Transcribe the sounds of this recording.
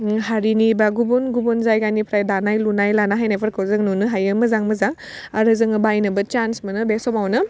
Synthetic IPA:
ɦaɾinibaɡubunɡubunzajɡanipʰɾajdanajlunajlanaɦajnajpʰaɾkʰɯwzɯŋnunɯɦajɯmɐzaŋmɐzaŋ | aɾɯzɯŋɯbajnɐbɐt͡ʃansmɐnɯbesɔmawnɯ

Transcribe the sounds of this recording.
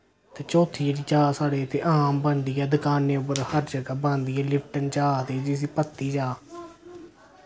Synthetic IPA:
t̪eːt͡ʃoːt̪ʰiːɾiːt͡ʃaːsaːɽeːət̪ʰḛːʔaːmbənd̪iːaːd̪əkaːneːʊpəɾhəɾd͡ʒəɡaːbãːnd̪ijaːlɪpʰʈənt͡ʃaːt̪eːd͡ʒɪsiːpət̪ːiːd͡ʒaː

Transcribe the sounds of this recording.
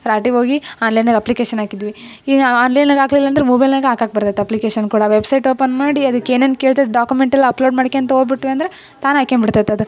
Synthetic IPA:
ɾaːʈiʋo̞ːɡiaːnlɐjnɐɡɐplikeːʃɐnaːkid̪ʋi | iaːnlɐjnɐɡaːɡlilːaɐːnd̪ɐɾemuːbɐjlnɐːɡeaːkaːk̚bɐɾt̪et̪eɐplikeːʃɐnkuːɽɐʋebsɐjʈo̞ːpɐnmaːɽiɐd̪ukːeːneːn̚keːɭt̪ed̪ɖaːkumeɳʈɐlːɐɐploːɖmaːɽkeɐnt̪ɐoːd̪biʈːʋiɐnd̪ɐɾe̞ | t̪aːnaːkenbiɽt̪et̪ːɐd̪u

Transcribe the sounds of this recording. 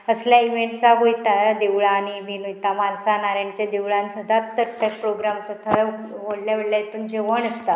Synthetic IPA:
əsljaiʋeɳɖsaɡojt̪ad̪eʋɭaniminujt̪amalsanaɾeɳt͡ɕad̪eʋɭãnsəd̪ʱat̪ːəɾt̪əɾpɾoɡɾamsət̪ʰəʋoɽljaʋeɽljajet̪uːnd͡ʑeʋəɳəst̪a

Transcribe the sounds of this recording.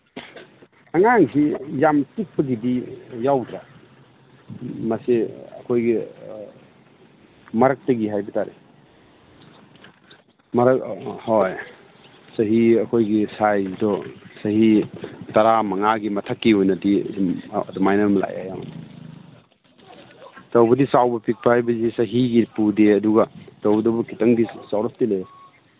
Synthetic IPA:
aŋaŋsijamtik̚pɐɡidijawtʰa | maseɐkʰojɡi | mɐɾɐk̚tɐɡiɦajbitaɾḭ | mɐɾkhɔj | sɐɦiɐkʰojɡisajzidɔsɐhitaɾamɐŋaɡimɐtʰakːihojnɐdi | dɔmajnɐmla̰ja̰ja̰ma̰ni | tɐwbɐdisawbɐpʰik̚pʰahajbɐzisɐɦiɡipudeɐduɡatawbdɐbɔkʰitɐŋdisawɾɔstile

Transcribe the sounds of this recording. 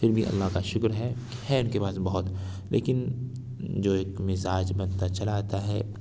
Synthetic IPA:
fɪɾbʱiʔɐ̰lːaɦkaʃʊkɾɦɛhɛʊnkepaːsbɐɦʊt̪ | lʔḛːkɪn | d͡ʒoːeːkmɪzaːd͡ʒbɐ̃nt̪at͡ʃɐlat̪aɦɛː

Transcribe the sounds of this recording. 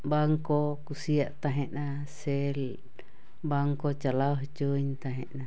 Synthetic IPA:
baŋkokusiaʔt̪aɦɛʔna | sɛl | baŋkot͡ʃalaoɦt͡ʃoiɲt̪aɦɛʔna

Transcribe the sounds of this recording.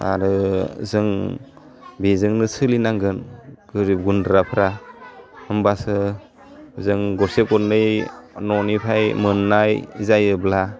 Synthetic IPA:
a̰ɾɯzɯŋ | bezɯŋnɯsɯlinaŋɡɯnɡ̥ɯɾip̚ɡundɾapʰɾa | hɯmbasɯ | zɯŋɡɔsekɔndɯjnɔnipʰajmɯnːajzajɯbla

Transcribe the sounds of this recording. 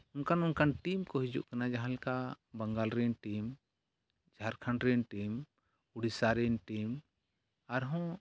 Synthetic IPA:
ʊnkanunkanʈimkɔɦid͡ʒṵʔkanad͡ʒaɦãlka | bəŋɡalɾɛnʈim | d͡ʒʱaɾkʰaɳʈɾɛnʈim | uɽisaɾɛnʈim | aɾɦɔ̃

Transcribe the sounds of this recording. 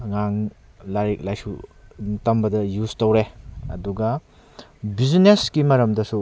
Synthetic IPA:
ŋaŋ | laɾik̚lajsṵtɐmbɐdɐjuztowɾeɐ̰duɡɐ | bizineskimɐɾɐmdɐsu

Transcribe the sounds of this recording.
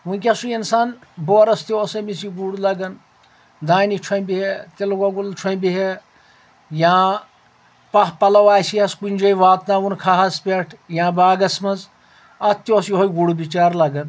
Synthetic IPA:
ʋũk̬ʲɐsuinsaːnboːɾɐst̪ioːsɐmis̬iɡuɽlɐɡɐn | d̪aːnit͡ʃʰɐĩbiɦet̪ilɡɐɡult͡ʃʰoĩbiɦe | jãː | pɐɦpɐlɐʋaːjsiɐskunʲd͡ʒɐjʋaːt̪naːʋunkʰaːɦɐspʲeʈʰjãːbaːɡɐsmɐz | ɐt̪joːsjɦojɡuɽubit͡ʃaːɾlɐɡɐn

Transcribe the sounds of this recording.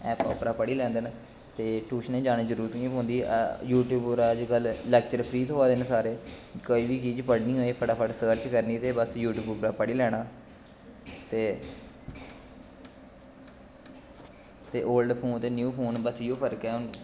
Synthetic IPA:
ɛːpɔ̰ːpɾaːpəɽiːlɛ̃ːnd̪ən | t̪eːʈuːʃnẽːd͡ʒaːɽ̃eːzəɾuːɾət̪kĩːõːnd̪iːjuːʈjuːbɾaːəd͡ʒkəllɛːk̚t͡ʃəɾpʰɾiːt̪ɦoːaːd̪ensaːɾeːkoːiːʋiːt͡ʃiːd͡ʒpəɽnĩːɦoːeːpʰəʈaːpʰəʈsəːɾt͡ʃkəɾniːt̪eːbəsjuːʈjuːbpɾaːpəɽiːlɛːɽnaː | t̪eː | t̪eːʔoːlɖpʰoːnt̪eːnjuːpʰoːnbəsɪjoːpʰəɾkɛːʊn

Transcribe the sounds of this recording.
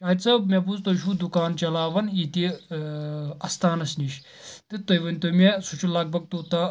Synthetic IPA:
aːit͡sɐmeput͡st̪oʃuːd̪ukaːnt͡ʃɐlaːʋɐnit̪i | ɐst̪aːnɐsniʃ | t̪ɨt̪ɐjʋɐnʲt̪omesut͡ʃulaːɡ̚bɐɡ̚t̪oːt̪a

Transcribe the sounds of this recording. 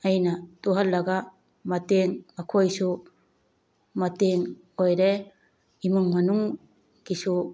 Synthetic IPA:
ajnɐtuɦɐlːɐɡa | mɐteŋakʰojsu | mɐteŋ | ojɾe | imɯŋmɐnuŋ | ɡ̥isu

